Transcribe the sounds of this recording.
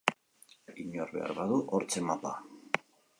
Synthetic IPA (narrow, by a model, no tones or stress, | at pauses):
iɲoɾβe̞̰a̰ɾβaðuʔoɾt͡semapa